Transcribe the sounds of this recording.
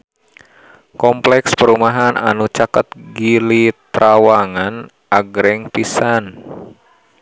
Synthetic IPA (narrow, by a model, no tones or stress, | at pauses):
kɔmplɛkspəɾumaɦana̰nut͡ʃakət̪̚ɡilit̪ɾawaŋan | ʔaɡɾɛŋpisan